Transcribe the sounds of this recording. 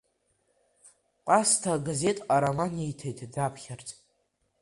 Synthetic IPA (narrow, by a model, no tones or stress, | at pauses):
qʷʼastʰaɡaze̞tʼaɾamanejtʰejtʰʼdapʰχʲart͡sʼ